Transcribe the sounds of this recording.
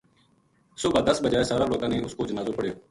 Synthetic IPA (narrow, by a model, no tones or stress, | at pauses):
sʊbʱãːd̪əsbəd͡ʒaːesaːɾãːloːkãːnẽːʊskoːd͡ʒənaːzoːpəɽejoː